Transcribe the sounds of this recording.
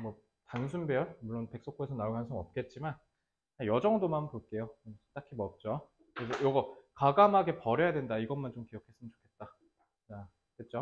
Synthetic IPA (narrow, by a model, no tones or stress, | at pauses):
mwʌ | tans̬ʰunbeʌɭmuɭːonpe̞k̚s͈ok͈ʰoesʰʌnauɡɦansʰɯŋʌp̚k͈e̞t̚t͡ɕ͈iman | ajʌd͡ʑʌŋdomanpoɭk͈e̞jot͈akʰimʌp̚t͡ɕ͈o | kɯɾes̬ʰʌjoɡʌkaɡamɦaɡe̞pʌɾjʌjadwe̞ndaiɡʌnmant͡ɕomkijʌkʰe̞s͈ɯmɯnt͡ɕo̥kʰet̚t͈a | t͡ɕa | ket̚t͡ɕ͈o